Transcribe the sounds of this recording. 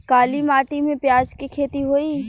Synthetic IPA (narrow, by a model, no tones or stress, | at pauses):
kaːlimaːʈimẽpjaːd͡ʒkikʰeːt̪iɦoːi